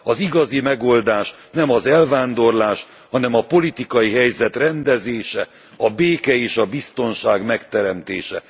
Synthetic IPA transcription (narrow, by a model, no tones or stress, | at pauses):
ɒziɡɒzimɛɡo̞ld̪aːʃ | nɛmɒzɛlvaːnd̪o̞rlaːʃ | hɒnɛmɒpo̞lit̪ikɒjiɦɛjzɛt̪rɛnd̪ɛzeːʃɛ | ɒbeːkɛeːʃɒbist̪o̞nʃaːɡmɛkt̪ɛɾɛmt̪ḛːʃɛ